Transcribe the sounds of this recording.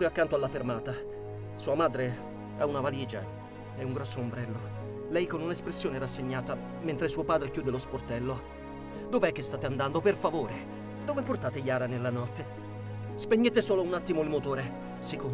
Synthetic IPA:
pjakːant̪oalːafermaːt̪a | suːamaːd̪ɾe | ɛunavaliːd͡ʒa̰ | ɛuŋɡɾɔsːoombɾɛlːo | lɛjkonunespɾesːjoːneɛɾasːeɲːaːt̪a | ment̪ɾesuːopaːd̪ɾek̟juːd̪elosport̪ɛlːo | d̪oveɛkːest̪aːt̪eand̪and̪operfavoːɾe | d̪oveport̪aːt̪eʎaːɾanelːanɔt̪ːe | speɲːet̪esoːlounat̪ːimoilmot̪oːɾe | siko

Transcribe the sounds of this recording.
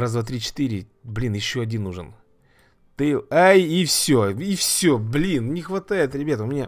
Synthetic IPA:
ɾazd̪vat̪ɾʲit͡ɕɪ̥t̪ɨɾʲɪblʲinjɪɕːo̞ɐdʲinːuʐɨn | t̪ɨajifsʲoifsʲoblʲinnʲɪxvɐt̪ajɪt̪ɾʲɪbʲat̪əʊmʲɪnʲa

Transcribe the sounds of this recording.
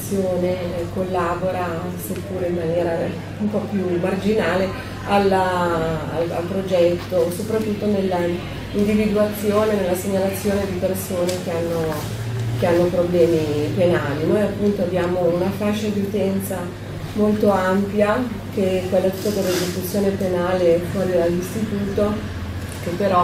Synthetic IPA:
sːjoːnekolːaːboɾa | sepːuːɾeimːanjɛːɾa | umpɔpjumard͡ʒinaːle | alːa | a̰la̰lpɾod͡ʒɛt̪ːosopɾat̪ːut̪ːonelːa | ind̪ivid̪uat̪sːjoːnenelːaseɲːalat̪sːjoːned̪ipersoːnek̟eanːo | k̟eanːopɾoblɛːmipenaːlinojapːunt̪oabjaːmounafaʃːad̪iut̪ɛnt̪sa | molt̪oampjak̟ekwelːat̪u̥t̪ːad̪elːezekut̪sːjoːnepenaːlefwɔːɾid̪alːist̪it̪uːt̪o | k̟epːeɾɔ

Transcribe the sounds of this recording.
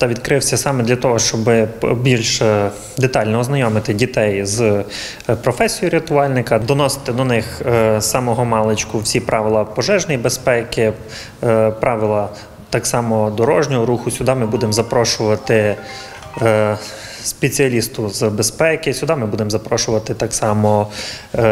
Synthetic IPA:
t̪ɐʋʲid̪kɾɪwsʲɐsɑmɛd̪lʲɐt̪ɔɦɔʃt͡ʃɔbɪbʲilʲʃ | d̪et̪ɑlʲnɔɔznɐjɔmɪt̪ɪdʲit̪ɛjz | pɾɔfɛsʲijʊɾɪt̪ʊɑlʲnɪkɐd̪ɔnɔsɪ̥t̪ɪd̪ɔnɪxsɑmɔɦɔmɑlˠet͡ʃkʊwsʲipɾʔɑʋʲɪlˠɐpɔʒɛʒnɛjbespɛkɪ | pɾʔɑʋʲɪlˠɐ | t̪ɑksɑmɔd̪ɔɾɔʒnʲɔɦɔɾuxʊsʲʊd̪ɑmɪbud̪emzɐpɾɔʃʊʋɐt̪ɪ | spʲet͡sʲiɐlʲist̪ʊzbespɛkɪsʲʊd̪ɑmɪbud̪emzɐpɾɔʃʊʋɐt̪ɪt̪ɑksɑmɔ

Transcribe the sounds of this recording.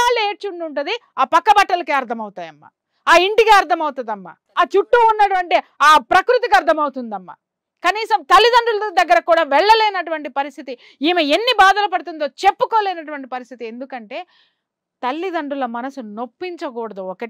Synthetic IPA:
aːleːʈt͡ʃuɳɖuɳʈud̪iaːpɐkːɐbɐʈːɐlɐkeːɐɾt̪ʰɐmɐwut̪aːjɐmːɐ̰ | aːiɳʈiɡaːɐɾt̪ʰɐmɐwt̪ɐd̪ɐmːa̰ | aːt͡ʃuʈːuunːɐʈuʋɐɳʈiaːpɾɐkɾut̪ikɐɾt̪ʰɐmɐwut̪und̪ɐmːɐ̰ | kɐniːsɐmt̪ɐlːid̪ɐɳɖulɐd̪ɐɡːɐɾɐkuːɽaːʋɛɭːɐleːnɐʈuʋɐɳʈipɐɾist̪ʰit̪i | iːmeenːibaːd̪ɐlɐpɐɽut̪̬und̪o̞ːt͡ʃe̞pːukoːleːnɐʈ̬uʋɐɳʈipɐɾist̪ʰit̪ie̞nd̪ukɐɳʈe̞ː | t̪ɐlːid̪ɐɳɖulɐmɐnɐsuno̞pːiɲt͡ʃɐkɔːɽɐd̪uɔkɐ

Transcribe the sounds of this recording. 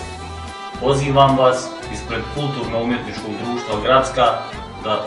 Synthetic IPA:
po̞ziːʋamʋas | ispɾe̞d̪kult̪uːɾnoumje̞t̪nit͡ʃko̞ɡd̪ɾuːʃt̪ʋaɡɾat̪ska | d̪a

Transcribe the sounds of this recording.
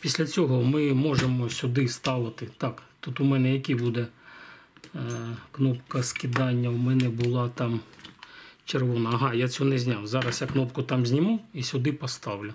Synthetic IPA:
pʲisʲlʲɐt͡sʲɔɦɔmɪmɔʒemɔsʲʊd̪ɪst̪ɑʋɐt̪ɪt̪ɑkt̪ut̪ʊmɛnɛjɐkʲibud̪ɛ | knɔpkɐskʲɪd̪ɑnʲːɐwmɛnɛbʊlˠɑt̪ɑm | t͡ʃerʋɔnɐɐɦɑjat͡sʲunɛzʲnʲawzɑɾɐsjaknɔpkʊt̪ɑmzʲnʲimuisʲʊd̪ɪpɔst̪ɑwlʲʊ

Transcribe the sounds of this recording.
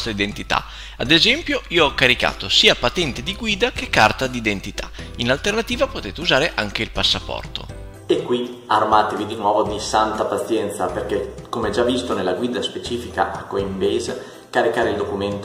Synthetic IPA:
t̪ɾaid̪ent̪it̪a̰ | a̰d̪ezɛmpjoiːoɔkːaɾika̰ːt̪osiːapat̪ɛnt̪ed̪iɡwiːd̪ak̟ekːart̪ad̪iːd̪ent̪it̪ʰḁ̰inalt̪ernat̪iːvapot̪eːt̪euzaːɾeʔaŋk̟eilpasːapɔ̰rt̪o̰ | ekːwiarmaːt̪evid̪inwɔvod̪isant̪apat̪sjɛnt̪saperkekomeɛd͡ʒavːist̪onelːaɡwiːd̪aspet͡ʃiːfika̰ʔakːoimbez | kaɾikaːɾeild̪okument̪

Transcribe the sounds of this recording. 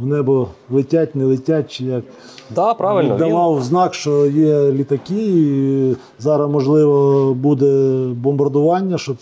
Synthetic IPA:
ɔnɛbɔlˠɪtʲatʲnɛlˠɪtʲat̚ʲt͡ʃɪjɐk | d̪apaʋɪd̪ɐʋɑwznɑkʃt͡ʃɔjɛlʲit̪ɐkʲii | zɑɾɐmɔʒlˠɪʋɔbud̪ɛbɔmbɐrd̪ʊʋɑnʲːɐʃɔ

